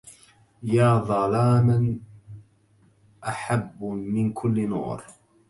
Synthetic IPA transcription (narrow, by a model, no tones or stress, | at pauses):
jaːðˤɑlaːman | ʔaħabːmɪnkʰʊlːnṵːɾ